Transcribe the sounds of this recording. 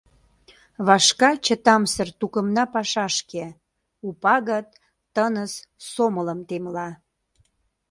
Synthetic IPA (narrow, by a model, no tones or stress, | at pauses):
βɑʃkɑt͡ɕət̪ɑmsərt̪ukəmnɑpɑʃɑʃke | upɑɣət̪ː | ənəssomələmt̪emlɑ